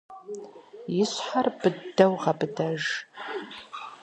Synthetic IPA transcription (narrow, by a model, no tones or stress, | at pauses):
jɪɕħarbɨdɐwʁɐbɨdɐʒ